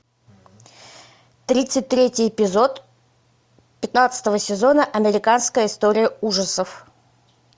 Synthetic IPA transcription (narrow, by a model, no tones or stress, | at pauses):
t̪ɾʲit̪sɨt̚ʲt̪ɾʲetʲɪjɪpʲɪzo̞t̪ | pʲɪt̪nat̪sə̥t̪əvəsʲɪzo̞nəʔɐmʲɪɾʲɪkanskəjəɪst̪oɾʲɪjəuʐəsəf